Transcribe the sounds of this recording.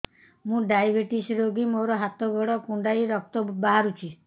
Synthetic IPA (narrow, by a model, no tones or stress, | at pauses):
mũɖajbeʈisɾoɡimoɾɔɦat̪ɔɡɔɽɔkũɳɖajɾɔk̚t̪ɔbaɦaɾut͡ʃʰi